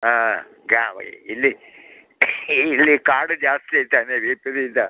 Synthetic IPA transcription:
aː | ɡaːʋ̰ilːi | lːikaːɖud͡ʒaːst̪iet̪aːneʋiːpiɾiːd̪a

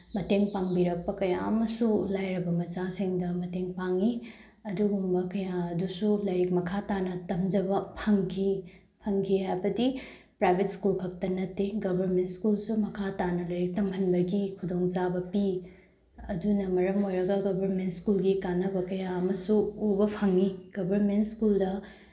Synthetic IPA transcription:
mɐteŋpaŋbiɾɐk̚pɐkɐja̰ɐmɐsulajɾɐbɐmɐt͡ʃasiŋdɐmɐteŋpaŋi | ɐduɡumbɐkɐjaɐdusulɐjɾik̚mɐkʰatanɐtɐmd͡ʒɐbɐpʰɐŋkʰi | pʰɐŋkʰiɦajbɐdi | pɾajbʱetskulkʰɐk̚tɐnɐtːeɡɐbʱɐɾmentskulsumɐkʰatanɐlɐjɾik̚tɐmʰɐnbɐɡikʰudoŋt͡ʃabɐpi | ɐdunɐmɐɾɐmojɾɐɡɐɡɐbʱɐɾmentskulɡikanɐbɐkɐjaɐmɐsuubɐpʰɐŋːiɡ̥ɐbʱɐɾmentskuldɐ

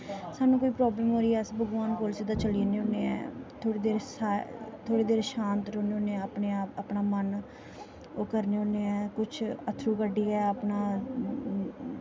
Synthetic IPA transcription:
saːnũːkoːiːpɾɔːbləːmɦoːɾiːɛːsbəɡʋaːnpoːlsiːd̪aːt͡ʃəliːneːõːneːɛ̰ːt̪ʰoːɽeːd̪eːɾsat̪ʰoːɽeːd̪eːɾʃãːnt̪ɾoːneoːneːəpneːaːpəpnaːmən | oːkəɾneːõːneːɛːkʊt͡ʃʰət̪ʰɾuːkəɖiːɛːəpnaː

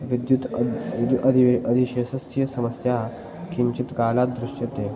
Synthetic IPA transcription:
ʋid̪jut̪d̪uʔəd̪iəd̪ʱiɕesəst̪ʰijəsəməsja | kiɲt͡ɕit̪kalat̪̚d̪ɾuʂjət̪e

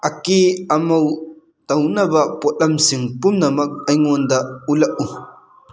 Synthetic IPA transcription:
ʔɐkiɐmɐw | tɐwnɐbɐpɔt̚lɐmsiŋpumnɐmɐk̚ɐjŋɔndaʔulɐʔ̚u

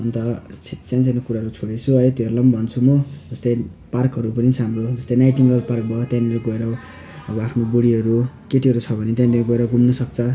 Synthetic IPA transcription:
ʌnt̪ʌsãnt͡sanokuɾaɦʌɾut͡sʰoɽet͡sʰuʌjt̪eʌɾlʌmbʱʌnt͡sʰumud͡zʌst̪ʌj | parkɦʌɾupʌnit͡sʰʌɦamrod͡zʌst̪ʌjnajʈiŋlʌlpark̚bʌt̪jãnleɾuɡʌeɾʌ | ʌbʌapʰnoboɽiɦʌɾukeʈiɦʌɾut͡sʰʌbʱʌnet̪jãnleɾuɡʌeɾʌɡumnʌsʌk̚t͡sʰʌ

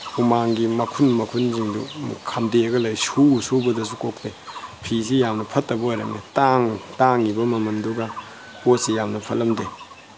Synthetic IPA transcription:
umaŋɡimɐkʰunmɐkʰunziŋdṵkʰamdeɐɡɐlɐjsusubɐdɐs̬ukok̚tepʰis̬ijamnɐpʰɐtːɐbɐojɾɐŋnetaŋtaŋːibɐmɐmɐnduɡɐ | kot̚sijamnɐpʰɐlɐmde

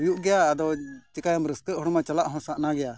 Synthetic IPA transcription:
juʔɡɛjaːd̪ɔt͡ʃɛkajamɾəskəʔɦɔɽmat͡ʃalaʔɦɔ̃saʔnaɡɛja

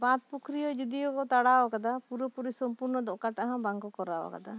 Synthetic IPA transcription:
bãt̪̚pukʰɾijɔd͡ʒud̪ijɔkɔt̪aɽawakad̪apuɾɔpuɾisɔmpuɾnɔd̪ɔʔkaʈaɦãbaŋɡɔkɔɾawa̰ka̰d̪a

